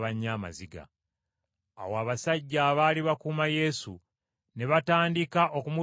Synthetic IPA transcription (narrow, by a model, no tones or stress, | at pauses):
βaɲːama̰ziɡa̰ | woaβasaɟːaβaliβakuːmaje̞sṵ | ne̞βataːndikaʔo̞kumu